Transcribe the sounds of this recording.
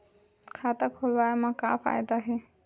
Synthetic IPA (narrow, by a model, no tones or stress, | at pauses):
kʰaːt̪akʰolʋaːjmãka̰fa̰ːjd̪aɦe